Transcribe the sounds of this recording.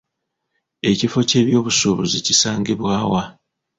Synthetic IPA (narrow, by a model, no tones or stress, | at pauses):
e̞cifo̞ce̞ːβjo̞ːβusuβuzicisaːŋɡeβwaːwa